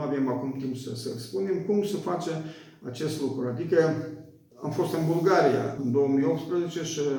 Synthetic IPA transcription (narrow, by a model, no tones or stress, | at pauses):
avemakumt̪impsəsəlspune̞mkumsəfat͡ʃe | at͡ʃe̞st̪lukɾuad̪ikə | amfo̞st̪ɨnbulɡaɾija̰ɨnd̪o̞wəmijopt̪spɾəzet͡ʃe̞ʃi